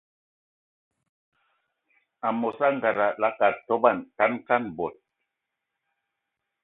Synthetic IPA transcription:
a˨mɔ˨sa˦ŋ˨ɡa˨ɾa˨la˦ka˨tɔ˦ba˦˨nta˦nka˦nbɔ˨t̚

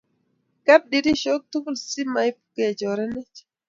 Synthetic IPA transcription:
ka˦p̚ɗi˨ɾi˦ʃo˦k̚tu˦ku˦lsi˦ma˨jpu̥kɛ˨d͡ʒɔ˨ɾɛnɛ˦t͡ʃ

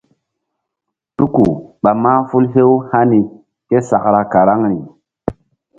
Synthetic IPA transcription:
tu˦ku˨ɓa˨ma˦fu˦lɦe˦wha˦ni˨ | ke˦sa˨kɾa˨ka˨ɾa˦ŋɾi˨

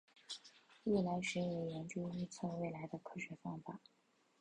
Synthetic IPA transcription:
i˥˩la˧˥ɪʂɛ˧˥jɛ˨˩jɛ˧˥nt͡ɕu˥y˥˧t͡sʰɤ˥˧we˥˩ɪla˧˥ɪd̪ə˧kʰɤ˥˩ɕɥɛ˧˥fɑ˥ŋfa˨˩˦

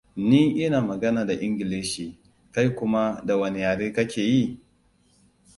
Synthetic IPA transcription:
niː˦ʔɪ˦naː˨mɐ˨ɡɐ˦naː˨da˨ʔɪ˦ŋɡʲɪ˨leː˦ʃiː˨ | ka˦jkʷʊ˦ma˦da˨wɐ˨ne˨jaː˨ɽeː˦kɐ˦kʲeː˨ji˦˨

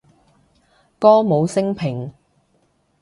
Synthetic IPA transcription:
kɔː˥mo˨˧wsɪ˥ŋpʰɪ˨˩ŋ

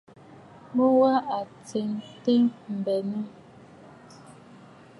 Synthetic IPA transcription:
mo˦wa˦ʔa˨t͡se˨ŋte˦m̩˨bɛ˨nə˦

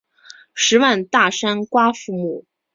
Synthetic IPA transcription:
ʂɻ̩˧˥wa˥˧nt̪a˥˩ʂa˥nkwa˥fu˥˧mu˥˩

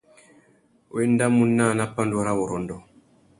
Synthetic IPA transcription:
we˦nda˦mu˦nːa˦˨na˦pa˦ndu˦ɾa˦wɔ˨ɾɔ˨ndɔ˨

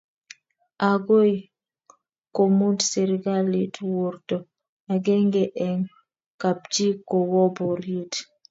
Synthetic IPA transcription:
a˨ɡo˦i˨ | ko˨mu˦ndse˨ɾɡa˦li˨two˨rtɔ˨ | a˨ɡɛ˦ŋɡɛ˨ʔɛ˨ŋ | ka˨p̚d͡ʒi˦ko˨wɔ˦bɔ˨ɾji˦t

